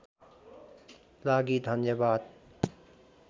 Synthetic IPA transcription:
laːɡiːd̪ʱɐnjəbaːd̪̚

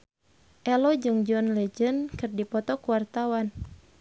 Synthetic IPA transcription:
ʔɛlɔd͡ʒɨŋd͡ʒɔnlɛd͡ʒənkɨrdipɔt̪ɔkuwart̪awan

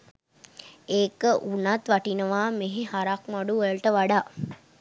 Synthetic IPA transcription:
eːkəʔunat̪ʋaʈinəʋaːmeɦehaɾakmaɖuʋəɭʈəʋaɖaː

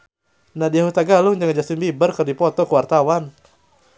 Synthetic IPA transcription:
nahdiaɦut̪aɡalʊŋd͡ʒaŋad͡ʒast̪imbibərkɨrdipɔt̪ɔkəwart̪awan

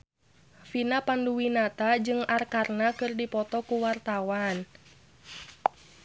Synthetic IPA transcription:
finapanduwinat̪ad͡ʒɨŋarkarnakɨrdipɔt̪ɔkuwart̪awan

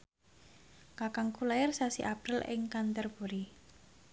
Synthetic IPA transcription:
kakaŋkʰulajarsasḭʔapɾɪlɪ̰ŋkant̪ərpuɾi

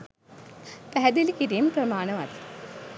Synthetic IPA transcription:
pæɦæd̪ilikiɾiːməprəmaːnəʋa̰t̪i̥

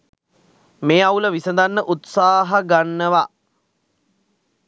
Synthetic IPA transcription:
meːawləʋisəd̪anːəʔut̪saːɦaɡanːəʋa

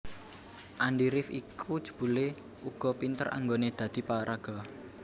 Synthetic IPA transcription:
ʔanɖiɾɪfḭkʰud̥ʒ̥u̥̤b̥ṳle | uɡ̥ɔ̤pint̪əɾʔa̰ŋɡoned̪̥ä̤d̪̥i̤paɾaɡ̥ɔ̤

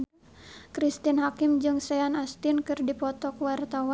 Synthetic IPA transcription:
kɾist̪inɦakɪmd͡ʒɨŋsɛanast̪inkɨrdipɔt̪ɔkwart̪awa

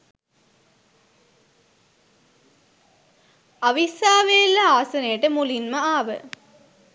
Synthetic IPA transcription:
ɐʋisaːʋelːɐaːsɐnejʈəmulinməaːʋə̰

